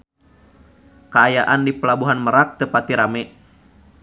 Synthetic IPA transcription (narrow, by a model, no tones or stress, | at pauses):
kəajaʔandipəlabuɦanməɾak̚t̪əpat̪iɾamɛ